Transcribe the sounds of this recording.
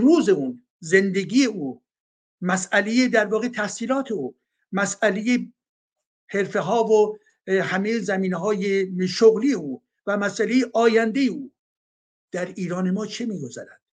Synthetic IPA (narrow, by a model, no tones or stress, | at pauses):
ɾuːze̞uːn | ze̞nd̪e̞ɡʲiːjeʔuː | mæsæle̞jed̪æɾvɒːɣet̪ʰæhsiːlɒːt̪ʰe̞uː | mæsæleje | he̞ɾfe̞ɦɒːvo | hæmejzæmiːneɦɒːjeʃoɣlijeuː | væmæsʔæle̞jeʔɒːjænd̪e̞jeuː | d̪̥æɾiːɾɒːne̞mɒːt͡ʃʰemiːɡo̞zæɾæd̪̥